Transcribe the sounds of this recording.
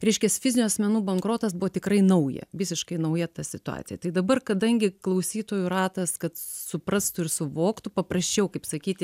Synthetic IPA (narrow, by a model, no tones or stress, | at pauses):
ɾʲɛɪʃʲkʲɛsfʲɪzʲɪnʲuɐsʲmʲɛnuːbɐŋkɾoːt̪ɐsbʊʋoːt̪ʲɪkɾɐɪnɐʊjɛ̰ʋʲɪsʲɪʃkɐɪnɐʊjɛt̪ɐsʲɪt̪ʊɑ̰ːt̪ʲɪjɛt̪ɐɪd̪ɐbɐrkɐd̪ɐŋʲɡʲɪklˠɐʊsʲiːt̪oːjʊrɑːt̪ɐskɐt̪sʊpɾɐst̪ʊɪɾsʊʋoːkt̪ʊpɐprɐsʲt͡ʃʲɛʊkɐɪpsɐkʲiːt̪ʲɪ